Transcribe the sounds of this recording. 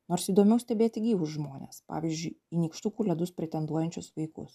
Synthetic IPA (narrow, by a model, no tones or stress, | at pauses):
noːɾsiːd̪oːmʲɛʊsʲt̪ʲɛbʲeːt̪ʲɪɡʲiːʋʊsʒmoːnʲḛːspɑ̰ːʋʲiːzʲd͡ʒʲʊɪinʲiːkʃt̪ukuːlʲɛd̪ʊspʲɾʲɪt̪ʲɛnd̪uɔjɛnʲt͡ʃʲʊsʋɐɪkʊ̰s